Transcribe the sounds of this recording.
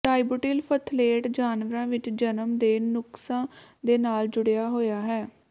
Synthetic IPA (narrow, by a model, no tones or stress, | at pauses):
ʈaːibuʈiːlpʰət̪ʰleːʈd͡ʒaːnʋəɾãːʋɪt͡ʃd͡ʒənəmd̪eːnʊksãːd̪eːnaːld͡ʒʊɽejaːɦoːjaːɦɛː